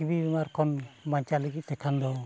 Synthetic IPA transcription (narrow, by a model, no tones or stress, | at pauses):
ibibimaɾkʰɔnmaɲt͡ʃaliɡitɛkʰandɔw